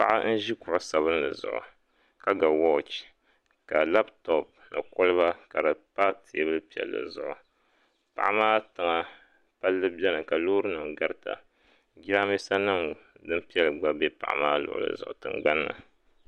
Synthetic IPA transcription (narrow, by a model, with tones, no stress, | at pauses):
pa˦ʔa̰˦n̩˦ʒi˦kʊ˨ʔʊ˨sa˨βɨ˦n˦lɨ˨zʊ̰˨ʔʊ̰˨ | ka˦ɡa˨wɔ˦t͡ʃ | ka˨la˦btɔ˨p̚ | na˨ko˦lɨ˦ba˦ka˨ɾɨ˨pa˦tʰi˨˦bɨ˦lɨ˦pi˨ɛ̰˨lːɨ̰˨zʊ˨ʔʊ˨ | pa̰˨ʔa˦maː˦tɨ˨ŋa˨ | pa˦lːɨ˦bɛ˦nɨ˨ka˨loː˦ɾɨ˦nɨ˨ŋɡa˦ɾta̰˨ | ɡʲi˦ɾa˦mi˦sa˦nɨ˦mdɨ˦m˦pi˦ɛ˦lɨ˨ɡ͡ba˦be˦pa̰˨ʔa̰˦maː˦lʊ̰˨ʔʊ̰˨lɨ̰˨zʊ˨ʔʊ˨tɨ˨ŋɡ͡ba˦nːa̰˨